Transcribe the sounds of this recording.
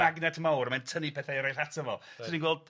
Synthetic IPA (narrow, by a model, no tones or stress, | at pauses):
aɡnɛdmawrəmɛntʰənipʰɛːθajəɾajθatʰəvɔ̰lˠssiinɡwɛlˠd